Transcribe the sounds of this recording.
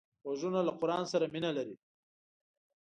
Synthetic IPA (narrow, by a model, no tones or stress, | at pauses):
waʒunalaqʊɾɑːnsaɾaminalaɾi